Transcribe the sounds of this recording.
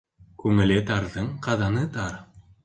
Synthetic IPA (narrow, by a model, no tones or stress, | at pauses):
kʉŋɘ̆lɘt̪ɑɾðɤɴqɑðɑnɤt̪ɑɾ